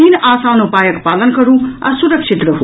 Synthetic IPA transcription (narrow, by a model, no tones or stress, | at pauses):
iːnʔaːsaːnũpaːjɐkpaːlənkɐɾũɐ̰suɾɐkʃit̪ɾəɦo